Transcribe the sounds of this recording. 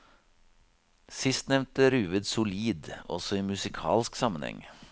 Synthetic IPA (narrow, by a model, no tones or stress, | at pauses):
sɪst̪nɛʋnt̪əɾʉːʋɪd̪sʊliːd̪ɔ̰sɔiːmʉsɪkʰɑ̰ːlsksɑmənhɛ̰ŋ